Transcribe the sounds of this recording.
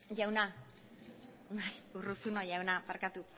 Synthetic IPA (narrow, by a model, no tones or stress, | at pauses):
jauna | najuɾusunɔjaunaparkat̪u